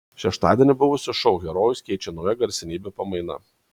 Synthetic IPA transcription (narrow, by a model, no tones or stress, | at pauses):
ʃʲɛʃt̪ɑːd̪ʲiɛnʲɪbʊʋʊsʲɪʃɔʊɣʲɛɾoːjʊskʲɛɪt͡ʃʲɛnɔʊjɛɡɐɾʲsʲɪnʲiːbʲepɐmɐɪnɐ̰